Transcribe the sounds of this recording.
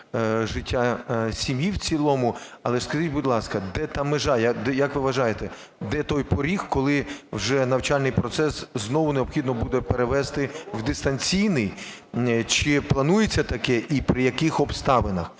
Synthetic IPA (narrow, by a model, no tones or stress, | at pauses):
ʒɪtʲːasʲimjiwt͡sʲilˠɔmʊɐlˠɛskɐzʲit̚ʲbʊdʲlˠɑskɐd̪ɛt̪ɑmɪʒɑjɐd̪ɛjɐkʋɪʋɐʒɑjet̪ɛ | d̪ɛt̪ɔjpɔɾʲixkɔlˠɪwʒɛnɐwt͡ʃɑlʲnɪjpɾɔt̪sɛsznɔʋʊneɔbxʲid̪nɔbud̪ɛpeɾeʋɛst̪ɪwd̪ɪst̪ɐnʲt͡sʲijnɪj | t͡ʃɪplˠɐnujet͡sʲːɐt̪ɐkɛʔipɾɪjɐkɪxɔbst̪ɑʋenɐx